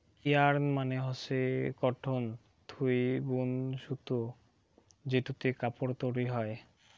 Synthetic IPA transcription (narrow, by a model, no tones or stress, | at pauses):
kiaɾmaneɦɔsekɔʈʰon | t̪ʰujbunʃut̪o | d͡ʑeʈut̪ekapoɾt̪oɾiɦɔe